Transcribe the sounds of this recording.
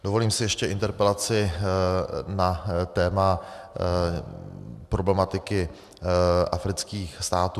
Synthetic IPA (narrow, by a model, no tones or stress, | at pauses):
do̞vo̞liːmsɪjɛʃcɛɪ̰nt̪ɛɾpɛlat͡sɪ | nat̪ɛːma | pɾo̞blɛmat̪ɪkɪ | ʔafɾɪt͡skiːxst̪aːt̪uː